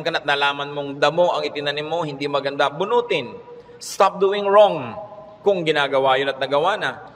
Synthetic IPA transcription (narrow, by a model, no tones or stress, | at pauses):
ŋkɐnɐt̪̚nɐlaːmɐnmoŋd̪ɐmo̞ʔɐŋɪt̪ɪnanɪmːohɪnd̪imɐɡɐnd̪abʊnuːt̪ɪn | st̪ap̚d̪uːɪŋɹoŋ | kʊŋɡɪnaːɡɐwaːjonɐt̪̚nɐɡɐwanɐ